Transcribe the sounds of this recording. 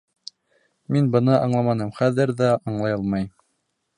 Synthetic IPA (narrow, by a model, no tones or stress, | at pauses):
minbɤ̆nɤʔɑɴlˠɑmɑnɤmχæðɘɾðæɑɴlˠɑjɤlˠmɑj